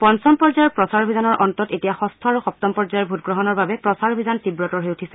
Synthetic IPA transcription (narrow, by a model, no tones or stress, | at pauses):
pɔnsɔmpɔɹd͡ʒajɔɹpɹɔsaɹobʱizanɔɹʔɔntɔtetijaxɔstʰɔaɹuxɔp̚tɔmpɔɹd͡ʒajɔɹbʱutɡɹɔɦɔnɔɹbabɛpɹɔsaɹobʱizantibɹɔtɔɹɦojutʰisɛ